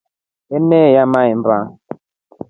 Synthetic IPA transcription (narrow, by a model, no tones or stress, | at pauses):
ɛnɛjamaimba